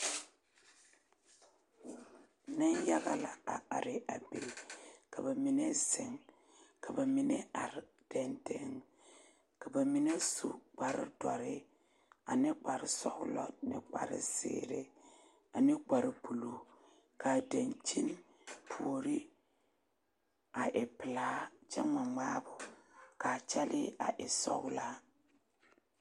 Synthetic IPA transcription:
ne˦nja˦ɣa˦la˨a˨a˨ɾɪ˨ʔa˨be˨kʰa˨ba˨mi˦ne˦se˨ŋ | kʰa˨ba˨mi˦ne˦a˨ɾ | d̥ɛ˨nde˨ŋ | ka˨ba˨mi˦ne˦sṵ˨ɡ͡ba˨ɾḭ˦dɔ˨ɾɪ˦ | a˨nɪ˦ɡ͡ba˨ɾɪ˨sɔ˦ɣlɔ̰˨nɪ̰˦k͡pa̰˨ɾɪ̰˨sḛː˨ɾe˦ | a˨nɪ˦ɡ͡ba˨ɾɪ˨bu˨lo˨ | kʰa˨de˨nt͡ʃi˦n | pʰu˨o˨ɾi˦ | a˨ʔɪ˨pɪ˨laː˨˦t͡ʃɛ˦ma˨ŋ͡ma˦bʊ˨ka˨t͡ʃɛ˦lɪ˦ʔa̰˨ʔɪ˨sɔ̰˦ɣla˦

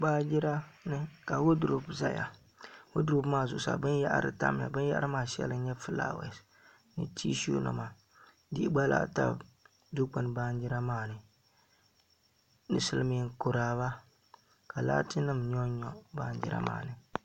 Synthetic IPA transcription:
ɡ͡baː˦d͡ʒɪ˦ɾa˦nɨ˦ka˨wʊ˦du˨ɾu˦bza˦ja̰˨ | wʊ˦du˦ɾu˦bmaː˦˨zʊ˨ʔʊ˨sa̰˨bɨ˦nja̰˦ʔɾɨ̰˦ta̰˦m˨a̰˨bɨ˦n˦ja̰˦ʔa˦ɾɨ˦maː˦˨ʃɛ̰˦lɨ˦ɲɛ˦fɨ˦la̰ː˦˨wɛ̰˨s | nɨ̰˨tiː˦ʃṵ˦na̰˨ma˨ | dɪ˦ʔɡ͡ba˦la̰˦ta̰˦b | du˦k͡pa˨n˨ba˦n˦d͡ʒi˦ɾa˦maː˦˨nɨ˨ | nɨ˨sɨ˦lɨ˦mi˨˦ŋkʊ˨ɾaː˨˦βa˦ | ka˨la̰ː˦tɨ˦nɨ˦mɲɔ˦ɲɔ˨ba˦nd͡ʒɪ̰˦ɾa̰˦ma̰ː˦˨nɨ˨

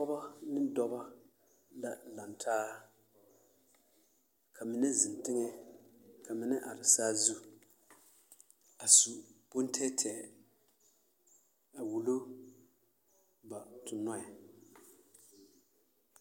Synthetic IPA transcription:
pɔ˦ba˦nɪ˦dɔ˦ba˦ | la˦la˨ntʰaː˦ | kʰa˨mɪ˨nɛ˦zɪ˨n˨tɪ˦ŋɛ˦ | kʰa˨mɪ˨nɛ˦ʔa˨ɾɪ˨saː˦zu˦ | a˨su˨pʊ˦n˦tʰɛ˦tʰɛ˨ | a˨wu˨lo˦ | ba˨tʊ˨nɔ˦ɛ˨

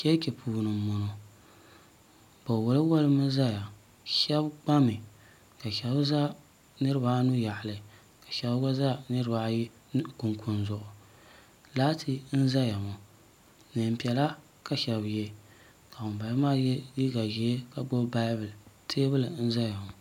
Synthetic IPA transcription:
kɛ˦kʲe˨pʰuː˨nɨ˨mʊ˨no˨ | b̥a˨wʊ˨lɨ˦wo˦lɨ˦mɨ˦za˦ja˨ | ʃɛ˦bɡ͡ba˦mɨ˨ | ka˨ʃɛ˨˦bza˦ | nɨ˦ɾɨ˦ba˨˦nu˦ja˨ʔlɨ˨ | ka˨ʃa˦bɡa˦za˦nɨ˦ɾɨ˦ba˨˦ji˦ | ku˨ŋkʰʊ˨nzʊ˨ʔʊ˨ | laː˦tʰi˦n̩˦za˦ja˨mo˨ | nɨ˨m̩˨pi˨ɛ˨la˦ | ka˨ʃɛ˨bje˦˨ | ka˨ʊ˨m˨ba˨˦maː˦jli˦ɡa˨ʒi˨˦e˦ka˨ɡ͡bo˦ba˦bɨ˨ltʰeː˦bɨ˦lɨ˨n̩˦za˦ja˨mʊ˨

